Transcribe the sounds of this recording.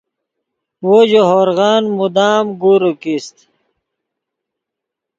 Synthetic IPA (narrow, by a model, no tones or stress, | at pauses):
wod͡ʑoɦoɾɣaːnmud̪aːmɡuɾukist̪